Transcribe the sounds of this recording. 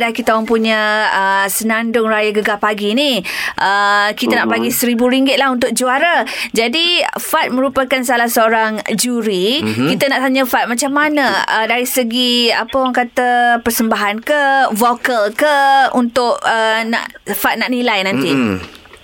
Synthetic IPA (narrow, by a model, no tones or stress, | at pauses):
dakit̪aaŋpuɲə̃əsənandʊŋɾajaɡəɡapaɡiniʔəkit̪anaʔpaɡisəɾibuɾiŋɡɪt̪̚lahɦunt̪ʊk̚d͡ʒuaɾad͡ʒadifat̪̚mə̃ɾupakansalahsəoɾaŋd͡ʒuɾikit̪ənaʔt̪aɲəfat̪̚mat͡ʃamːanə̃ədaɾisəɡia̰pəwaŋkat̪əpərsəmbaɦankəhvokəlkəunt̪ʊʔəna̰ʔfat̪̚naʔnilajnãnt̪i